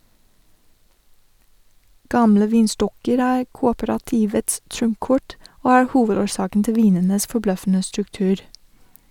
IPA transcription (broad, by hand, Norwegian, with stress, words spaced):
ˈɡɑmlə ˈʋiːnˌstɔkəɾ ˈæːɾ ˈkuːoːpəɾɑˌtiːʋəts ˈtɾʊmˌkɔʈ ˈoː ˈæːɾ ˈhuːʋədoːɾˌsɑːkn̩ ˈtɪl ˈʋiːnənəs fɔˈblœfn̩ə stɾʉkˈtʉːɾ